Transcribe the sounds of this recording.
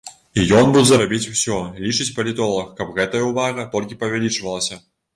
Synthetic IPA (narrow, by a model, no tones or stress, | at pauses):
ijɔnbuzɐɾabʲit͡sʲw̥sʲɔlʲit͡ʂɨt͡sʲpɐlʲit̪ɔlˠɐxkɐpɣɛt̪ɐjɐuvaɣɐt̪ɔlʲkʲipɐvʲɛlʲit͡ʂvɐlˠɐsʲɐ